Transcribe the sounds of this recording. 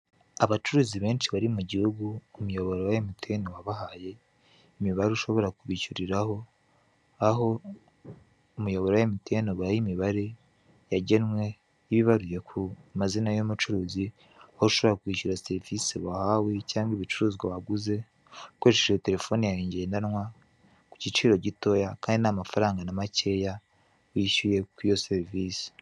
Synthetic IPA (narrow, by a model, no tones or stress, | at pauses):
aβat͡ʃuɾuːziβe̞ːnʃiβaɾimuɟihuɡuːmujo̞βo̞ɾowajemitʰenowaβahaje̞ | imiβaɾeuʃo̞βo̞ɾakuβicuɾiɾaho̞ | aɦo̞ | umujoβoɾwaemitenoβuajimiβaɾe̞ | jaɟenwe̞ | iβiβaɾuje̞kʰumazinajomut͡ʃuɾuːzi | houʃoβoɾakwiːʃuɾaseɾivisiβahawecaːŋɡiβit͡ʃuɾuːzɡaβaɡuze̞ | kweːt͡ʃeʃeete̞ɾe̞fo̞ːnijaɾiɲɟeːndanŋwa | ku̥cit͡ʃiːɾo̞ɟito̞jakaːndinamafaɾaːŋɡanamace̞ːja | wiːʃuje̞kwijo̞seɾivisi̥